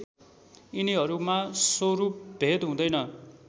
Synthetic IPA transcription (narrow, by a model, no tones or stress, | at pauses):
iniɦʌɾumasoɾup̚bʱed̪ɦũd̪ʌjnʌ